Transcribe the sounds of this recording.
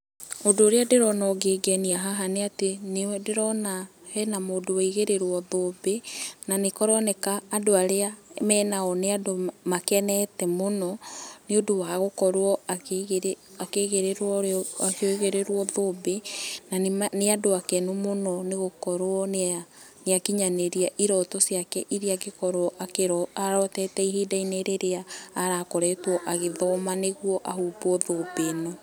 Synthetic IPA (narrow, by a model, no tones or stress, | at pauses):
odoːɾeadeɾɔnɔɡeɡɛniaɦaɦaneatendeɾɔnahɛnamoːdowaiɣeɾeɾwɔðoːbenanekɔɾɔnɛkaːdoaɾeamɛːnaɔneadomakɛnɛtɛmonɔneodowaɣokɔɾwɔɣakeɣeɾeɾɔakeoiɣeɾeɾwɔðobenaneadoakɛnumonɔneɣokɔɾwɔna | neakiɲaneɾiaʔiɾɔtɔsiakɛʔiɾiaɡekɔɾwɔʔakeɾɔaɾɔtɛtɛiɦidaineɾeɾeaːɾakɔɾɛtwɔʔaɣeðɔmaneɣwɔʔaɦuːbɔðobenɔ